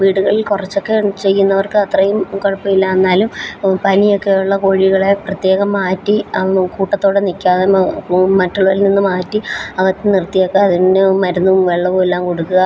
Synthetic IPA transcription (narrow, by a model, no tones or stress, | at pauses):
ʋiːɽuɣɐɭilkurɐt͡ɕːo̞kːe̞t͡ɕe̞jːunːɐʋɐrkɨɐt̪rɐjumkoɻɐpːɐmilːɐenːaːlumpɐnijo̞kːe̞juɭːɐko̞ːɻiɣɐɭe̞prɐt̪je̞ːɣɐmːaːtːiɐkuːʈːɐt̪ːo̞ːɽenikʲːaːðemɐtːɐɭʋɐlninːɨmaːtːiɐʋɐt̪ːɨnirt̪ːijokːeɐðinnɨmɐɾunːumʋe̞ɭːɐʋomelːaːmkoɽukːuɣɐ